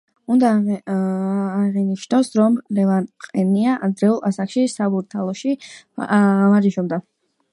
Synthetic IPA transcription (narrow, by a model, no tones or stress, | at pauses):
und̪a | ʁɛniʃnɔsɾɔmlɛlanqʼɛniaʔad̪ɾɛulˠasakʰʃisabuɾt̪ʰalˠɔʃi | maɾiʃɔbd̪a